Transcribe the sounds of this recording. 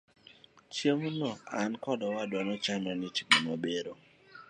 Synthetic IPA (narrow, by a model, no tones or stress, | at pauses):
t͡ʃemunɔankɔdɔwadwanɔt͡ʃamɛnɪt͡ʃi̥bomabeɾo